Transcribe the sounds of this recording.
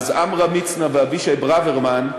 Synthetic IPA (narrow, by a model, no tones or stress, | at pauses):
za̰mʁamit͡snavɪaviʃaɪbʁavɛʁman